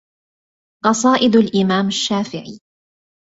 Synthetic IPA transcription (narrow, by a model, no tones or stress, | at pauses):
qɑsˤɑːʔɪd̪alʔɪmaːmaʃːaːfɪʕḭ